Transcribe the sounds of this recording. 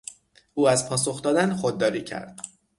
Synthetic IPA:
uːæzpʰɒːs̬o̞xd̪ɒːd̪ænxod̪̚ːɒːɾiːcʰæ̰ɾd̪̥

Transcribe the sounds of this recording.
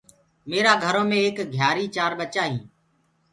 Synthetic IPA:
meːɾaːɡʱəɾõːmẽːeːkɡʱjaːɾiːt͡ʃaːɾɓət͡ʃaːɦĩː

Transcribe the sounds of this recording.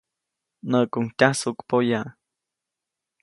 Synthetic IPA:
nəʔkuŋtʲasukpoja

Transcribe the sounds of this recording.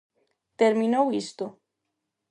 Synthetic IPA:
t̪eɾmĩnowist̪o

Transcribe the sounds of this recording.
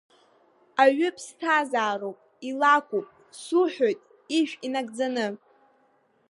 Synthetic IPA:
aɥʏpʰstʰazaːɾowpʼ | ilakʷupʼ | suħʷᶣojtʼ | iʃᶣinaɡʼd͡zanɨ

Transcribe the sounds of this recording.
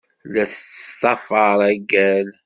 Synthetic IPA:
læθə̥t̪ˤɑfɑɾˤæɡæl

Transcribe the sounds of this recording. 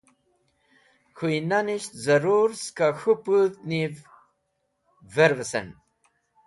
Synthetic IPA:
xujnaniɕt̪zɐɾuɾskaxuput̪niv | veɾvesɐ̰n

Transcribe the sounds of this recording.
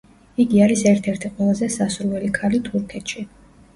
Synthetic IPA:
iɡiaɾisɛɾt̪ʰɛɾt̪ʰiqʼwɛlˠazɛsasuɾvɛlikʰalit̪ʰuɾkʰɛt̪ʃi

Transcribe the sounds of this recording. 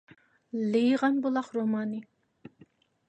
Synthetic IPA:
lejʁɑnbolˠɑχɾomɑːni

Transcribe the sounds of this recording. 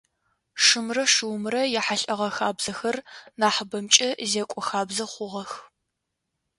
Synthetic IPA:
ʂɨmrɐʂɨwmɨrɐjɛħaɬʼɐʁɐxaːbz̥ɐxɐrnaːħbɐmt͡ʃʼɐzeːkʷʼɔxaːbzɐχʷʊʁɐx

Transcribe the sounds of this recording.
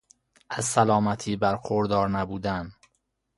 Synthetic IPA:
ʔæzsælɒːmæt̪ʰiːbæɾxoɾd̪ɒːɾnæbuːd̪æn

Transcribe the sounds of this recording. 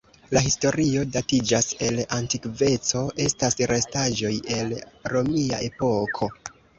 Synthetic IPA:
laɦisto̞ɾio̞datid͡ʒase̞lantikve̞t͡so̞ʔe̞stasɾe̞staʒo̞je̞lɾo̞mia̰ʔe̞po̞kʰo̞

